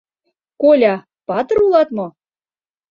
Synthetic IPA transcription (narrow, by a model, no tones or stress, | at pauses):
kolʲɑ | pɑt̪ɤ̆rulˠɑt̪mŏ